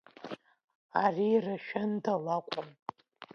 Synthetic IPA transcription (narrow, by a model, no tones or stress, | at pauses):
ariraʃᶣandalakʷʼʊm